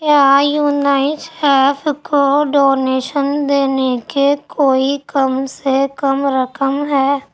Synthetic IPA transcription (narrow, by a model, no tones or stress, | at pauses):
kjaːjuːnaːɪnsʈɛːpʰkoɖoːneːʃənd̪eːnekekʰoːikəmsekəmɾəkəmɦɛː